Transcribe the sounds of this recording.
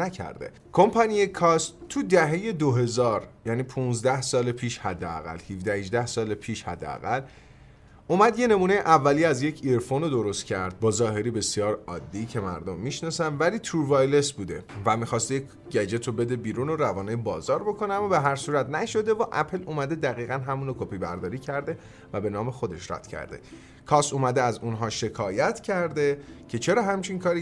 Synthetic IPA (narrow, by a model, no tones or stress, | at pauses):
næcʰæ̰ɾd̪e̞̰ | kʰo̞mpʰɒnijekʰɒst̪t̪ʰːud̪æɦe̞je̞d̪oɦe̞zɒːɾjæniːpʰunzd̪æhsɒːlepʰiːʃhæd̪ːeæ̰ɣæ̰lhivd̪æhiʒd̪æhsɒːlepʰiːʃhæ̰d̪ːḛæ̰ɣæl | umæd̪je̞nemuːne̞jeʔævːæliːæzjecʰiɾfonod̪o̞ɾo̞st̪cʰæɾd̪̥̚bɒːzɒːɦe̞ɾiːbe̞sjɒːɾɒ̰ːd̪ːicʰe̞mæ̰ɾd̪omːiʃnɒsænvæliːt̪ʰuːɾvɒjle̞sbuːd̪e̞̰væmixɒːst̪jec | ɟæd͡ʒe̞t̪ʰobe̞d̪ebiːɾuːnoɾævɒːnejebɒːzɒːɾbo̞kʰo̞neæmːɒːbe̞ɦæɾsuːɾæt̪næʃo̞d̪e̞vɒʔæpʰeluːmæd̪e̞d̪æɣiːɣænɦæmuːnokʰopʰiːbæ̰ɾd̪ɒːɾiːcʰæɾd̪e̞ | væbe̞nɒːme̞xo̞d̪e̞̰ʃɾæ̰d̪̥cʰæ̰ɾd̪e̞̰ | kʰɒːsuːmæd̪eæzunɦɒːʃe̞kʰɒːjæt̪ʰcʰæɾd̪e̞cʰe̞t͡ʃʰe̞ɾɒːɦæmt͡ʃʰiŋkʰɒːɾi